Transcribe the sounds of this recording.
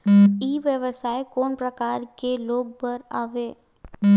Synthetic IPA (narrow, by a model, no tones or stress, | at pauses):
iːʋjəʋəsaːekoːnpɾəkaːɾkeloːɡ̚bəɾaːʋeː